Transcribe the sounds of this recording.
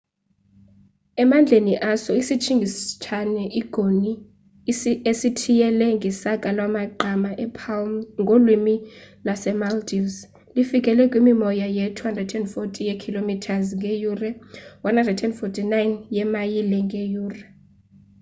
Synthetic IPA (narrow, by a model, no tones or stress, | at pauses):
ɛmand͡ɮʱeniʔasɔisit͡ʃʰiŋɡʱist͡ʃʰanɛʔiɡ̥ʱoni | esitʰijɛlɛŋɡʱɛsakʼalwamaǃʱamaʔɛpʰawmŋɡʱolwimilasɛmaldʰʼis | lifikʼɛlɛkʼwimimɔjajetʰuhandrɛdɛndfotʼijekʰilomitʰazŋɡʱʼejurɛwanhandrɛdɛndfotʼinajnjɛmajilɛŋɡʱʼejuːrɛ